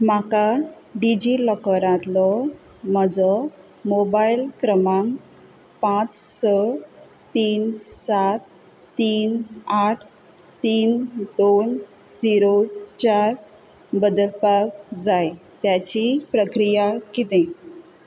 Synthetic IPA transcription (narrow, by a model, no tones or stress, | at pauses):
m̤aka | ɖid͡ʑiləkəɾãt̪lɔ | m̤əd͡zɔ | mobailkɾəmaŋ | pãt͡ssə | t̪iːnsat̪ː | iːnaʈʰ | t̪iːnd̪on | d͡ziɾot͡ɕaɾ | bəd̪əlpakd͡zajt̪jat͡ɕipɾəkɾijakit̪ẽ